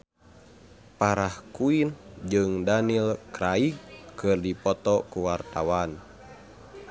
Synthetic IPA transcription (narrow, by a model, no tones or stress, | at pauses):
paɾahkuind͡ʒɨŋdanilkɾaiɡkɨrdipɔt̪ɔkuwart̪awan